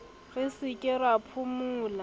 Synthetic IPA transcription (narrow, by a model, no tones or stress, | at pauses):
ɣɪsɪkʼɪrapʰʊmuːla